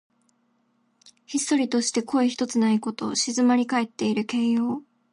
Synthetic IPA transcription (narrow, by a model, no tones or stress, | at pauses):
çisɨ̥t̪o̞ɾʲit̪o̞ɕi̥t̪e̞kʰo̞eçi̥t̪o̞t͡sɨnaiko̞t̪o̞ɕizɨmaɾʲikae̞t̪ːe̞iɾɯ̟ke̞ːjo̞ː